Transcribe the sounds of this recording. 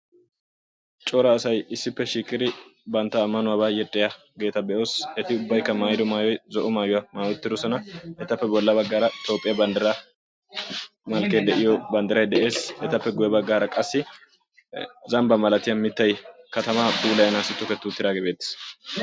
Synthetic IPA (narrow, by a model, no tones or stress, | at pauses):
t͡ʃʼɔɾɐːsɐjɪsːɪpːɛʃiːkʼːɪd̪ɪbɐnt̪ːɐːmːɐnʊwɐβaːjɛtʼːɪja | ɡe̞ːt̪ɐbɛʔo̞ːsɛt̪ɪʊbːɐjkːɐmaːjd̪ɔmaːjɔjzɔʔɔmaːjʊwɐmaːjʊt̪ːɪd̪ɔsɔnɐɛt̪ɐpːɛbɔlːɐbɐɡːaːɾɐɪt̪o̞ːpʼːɪjɐbɐnd̪ɐɾɐ | mɐlkeːd̪ɛʔɪjɔbɐnd̪ɐɾɐjd̪ɛʔe̞ːsɛt̪ɐpːɛɡʊjɛbɐɡːaːɾɐkʼɐsːɪ | zɐmbɐmɐlɐt̪ɪjɐnmɪt̪ːɐjkɐt̪ɐmaːbuːlɐjɐnaːsɪt̪ːʊkɛt̪ːʊt̪ːɪd̪aːɡebe̞ːt̪ːɪ̥s